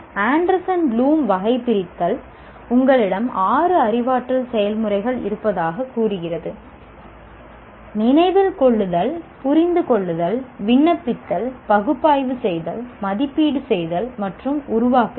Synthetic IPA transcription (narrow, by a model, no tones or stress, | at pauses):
aːɳɖɐɾsɐnluːmʋɐɣɐɪpːɪɾɪt̪ːɐl | ʊŋɡɐɭɪɽɐmaːrɯɐrɪʋaːʈrɐlsɛjɐlmɯrɐɪɣɐɭɪ̰ɾɯpːɐðaːɣɐkːuːrɯɣɪrɐðɯ | nɪnɐɪʋɪlkɔɭːɯðɐlpʊɾɪnd̪ɯkɔɭːɯðɐlʋɪɳːɐpːɪt̪ːɐlpɐɣɯpːaːjʋɯsɛjðɐlmɐðɪpːiːɽɯsɛjðɐlmɐʈrɯmʊɾʊʋaːkɯ